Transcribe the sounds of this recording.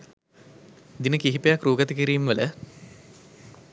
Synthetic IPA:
d̪inəkiɦipejakɾuːɡɐt̪əkiɾiːmʋələ

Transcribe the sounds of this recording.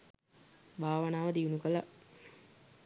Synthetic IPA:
bʱaːʋənaːʋəd̪iunukəla

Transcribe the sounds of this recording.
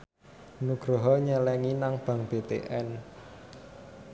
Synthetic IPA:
nuɡ̥ɾɔ̤ɦɔɲɛlɛŋinaŋb̥ä̤ŋb̥et̪ḛʔɛn

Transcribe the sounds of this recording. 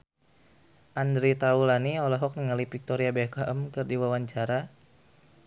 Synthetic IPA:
ʔandɾit̪aulaniɔlɔɦɔk̚niŋalipik̚t̪ɔɾiabekaʔəmkɨrdiwawaɲt͡ʃaɾa

